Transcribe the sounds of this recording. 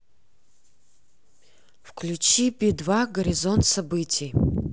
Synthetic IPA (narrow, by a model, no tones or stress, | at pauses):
fkʰlʲut͡ʃʰibʲid̪vaɡɐɾʲizont̪sɐbɨtʲʰij